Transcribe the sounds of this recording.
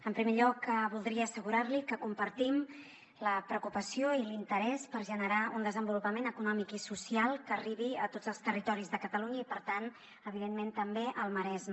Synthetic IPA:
əmpɾimeʎɔkəβulˠd̪ɾiəːsəɣuɾaɾlikəkumpəɾt̪im | ləpɾəukupəsioilint̪əɾɛspəɾʒənəɾaund̪əzəmbulupəmenəkunɔmikisusialˠkəːriβ̞iət̪ozəlˠst̪ərit̪ɔɾizðəkət̪əluɲəipəɾt̪an | əβiðenment̪əmbeʔəlˠməɾɛzm

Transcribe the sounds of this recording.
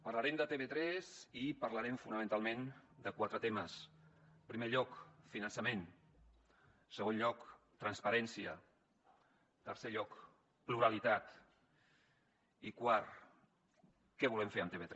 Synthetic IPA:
pəɾlaɾɛmd̪ət̪eβet̪ɾɛzipəɾləɾɛmfunəmə̃nt̪alˠmend̪əkwat̪ɾət̪eməspɾimeʎɔkfinənsəmen | səɣ̞onʎɔk | t̪ɾənspəɾɛnsiə | t̪əɾseʎɔk | pluɾalit̪at̪ | ikwaɾ | kɛβ̞ulɛmfeɾəmt̪eβet̪ɾ

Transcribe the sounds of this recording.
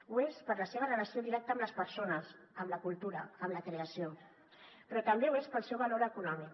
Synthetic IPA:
uespəɾləseβərələsioðiɾɛk̚t̪əmləspəɾsonəs | əmləkulˠt̪uɾəəmləkɾeəsio | pɾɔt̪əmbeuespəlˠsɛwβaloɾəkunɔmik

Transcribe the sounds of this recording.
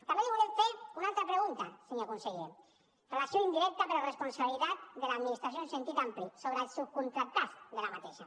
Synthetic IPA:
t̪ameleβolefeɾunalt̪ɾapɾeɣ̞unt̪aseɲokonseɣen | relasjoind̪iɾɛk̚t̪apeɾlaresponsaβilit̪at̪̚ðelaːðminist̪ɾas̬jonsent̪it̪amplisoβɾesukunt̪ɾak̚t̪ːazðelamat̪eʃa̰

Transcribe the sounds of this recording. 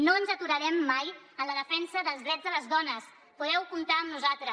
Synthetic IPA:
noənzət̪uɾəɾɛmːaj | ənləðəfɛnsəðəlˠzðɾɛzðələzðɔnəs | puðɛwkumt̪aəmnuzalˠt̪ɾə

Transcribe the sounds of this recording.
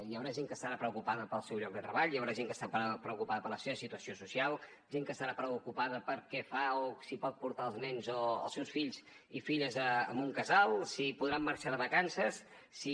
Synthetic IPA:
jawɾaʒeŋkəst̪əɾapɾəukupaðəpəlˠsɛwʎɔɡ̚d̪ət̪ɾəβaʎjawɾaʒeŋkəst̪apɾəkupaðəpəɾləseβəsit̪uəsiosusialˠ | ʒeŋkəst̪əɾapɾəkupaðəpəɾkɛfaosipɔt̪̚puɾt̪aəlˠznɛnzoə̰lˠsɛwsfiʎz | ifiʎəzəəmbuŋkəzalˠsipuðɾamːaɾʃaðəβəkansəsː | i

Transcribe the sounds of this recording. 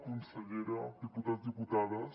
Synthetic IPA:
kunsɐɣeɾɐd̪iput̪at̪d̪iput̪aðɐ

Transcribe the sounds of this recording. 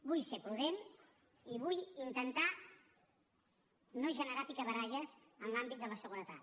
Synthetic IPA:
bujsepɾuðen | iβujint̪ənt̪a | noʒənəɾapikəβəɾaʎəz | ənlambit̪̚d̪ələsəɣ̞uɾət̪a̰t̪

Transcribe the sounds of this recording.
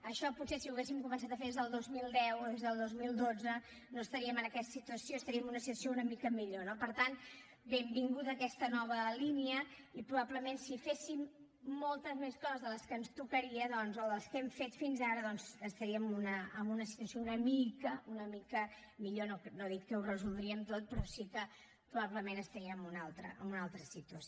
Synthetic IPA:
əʃɔputsesiuesimkumə̃ns̬at̪əfeðezðəlˠd̪ozmilˠd̪ɛwoðezðəlˠd̪ozmilˠd̪od͡zə | noəst̪əɾiəmənəkɛst̪ə̥sit̪uəsioəst̪əɾiəmunəsit̪əs̬jounəmikəmiʎonopəɾt̪an | bembiŋɡut̪əːkɛst̪ənɔβ̞əliniəipɾuβapləmensifesimː | olˠt̪əzmeskɔzəzðələskənst̪ukəɾiəðɔnzɔðəlˠskɛmfet̪finzaɾəðɔnzəst̪əɾiəmunəːmbunəsi̥t̪uəsjounəmikəunəmikə | miʎonoknoðit̪̚kəurəzulˠd̪ɾiəmt̪ot̪̚pɾɔsikə | pɾuβaβləmenəst̪əɾiəːmunalˠt̪ɾə̰əmbunalˠt̪ɾəsit̪uəs

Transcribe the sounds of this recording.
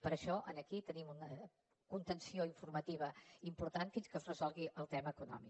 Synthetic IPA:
pəɾəʃɔʔənəkit̪ənimunə | kunt̪ənsioiɱfuɾmət̪iβəimpuɾt̪anfinskəzrəzɔlˠɣiʔəlˠt̪ɛməːkunɔ̰mi

